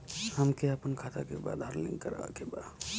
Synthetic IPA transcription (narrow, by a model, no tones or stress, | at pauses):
həmkeəpənkʰat̪akeba̰d̪ʱaɾlḭ̃ŋkəɾa̰keba